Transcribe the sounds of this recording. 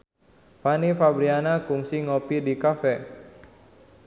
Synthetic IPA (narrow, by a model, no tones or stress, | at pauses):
fanifabɾianakuŋsiŋopidikafɛ